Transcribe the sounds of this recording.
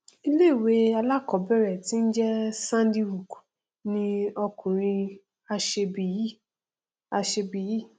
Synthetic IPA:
i˧le˦˨we˦a˧la˦˨kɔ˨˦bɛ˦˨ɾɛ˨ti˦n̩˦d͡ʒɛ˦sã˦n˦di˧wu˨k | nĩ˧ɔ˧kũ˨ɾ̃ĩ˧ | a˧ʃe˧bi˨˦ji˦ | a˧ʃe˧bi˨ji˦˨

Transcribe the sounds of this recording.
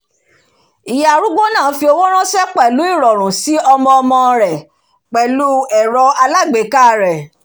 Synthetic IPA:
i˨ja˨ɾu˦ɡo˦nãː˦˨˦fi˧o˧wo˦ɾ̃ã˦ʃɛ˦k͡pɛ˦˨lu˨˦i˦˨ɾɔ˨ɾ̃ũ˨si˨˦ɔ˧mɔ̃˧ɔ˧mɔ̃˧ɾɛ˨ | k͡pɛ˨lu˦ɛ˨ɾɔ˧a˧la˦˨ɡ͡be˨˦ka˦˨ɾɛ˨

